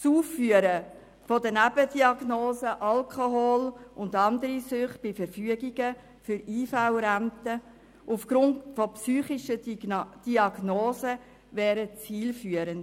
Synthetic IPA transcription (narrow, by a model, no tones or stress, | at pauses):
suːfːyəɾə | fɔdənæbədiɑɡnoːzəʔɑlkχoɦoːlʊndɑnd̪əɾisʏχt̚b̥ɪfəɾfyəɡiɡ̥ə | fʏɾiːfawɾænt̪ə | ufɡ̥ɾʊntfɔpsyːχɪʃəd̥iɑɡnoːzə | vɛːɾət͡siːlfyəɾənd̥